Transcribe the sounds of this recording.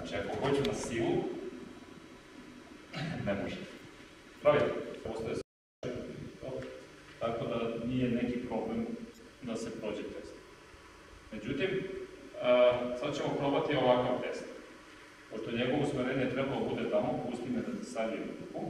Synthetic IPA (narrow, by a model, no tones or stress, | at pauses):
at͡ʃiako̞xo̞t͡ɕunasiːlu | nemoʒet̪ | pɾaʋit̪epost̪ajes | ait̪iit̪o | t̪ako̞d̪anije̞ne̞kipɾo̞ble̞m | d̪ase̞pɾo̞ːd͡ʑet̪e̞st̪ | me̞d͡ʑut̪im | sad̪at͡ɕemo̞pɾobat̪io̞ʋakot̪e̞st̪a | poʃt̪oɲe̞ɡo̞ʋosmeɾeːɲjet̪ɾe̞balod̪abud̪e̞t̪amo̞ust̪ined̪asesaʋiut̪uku